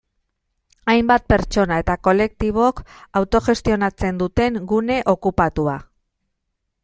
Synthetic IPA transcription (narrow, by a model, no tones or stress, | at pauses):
ajmbat̪̚pe̞ɾt͡ʃo̞nae̞t̪ako̞le̞k̚t̪iβ̞o̞kawt̪o̞ʝe̞st̪io̞nat͡se̞nd̪ut̪e̞ŋɡune̞ʔo̞kupat̪ua